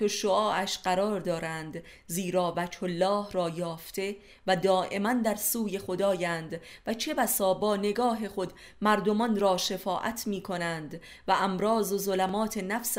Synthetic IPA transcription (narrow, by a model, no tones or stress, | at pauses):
t̪oʃoʔɒːʔæʃɢæɾɒːɾd̪ɒːɾænd̪ | ziːɾɒːvæd͡ʒholːɒːhrɒːjɒːft̪ʰe̞ | væd̪ɒːʔe̞mænd̪æɾsuːje̞xo̞d̪ɒːjæːnd̪væt͡ʃʰe̞bæsɒːbɒːne̞ɡɒːɦe̞χo̞d̪ | mæɾd̪o̞mɒnɾɒːʃe̞fɒːʔæ̰t̪ʰmiːkʰo̞nænd̪ | væʔæmɾɒːzozolæmɒːt̪ʰe̞næfs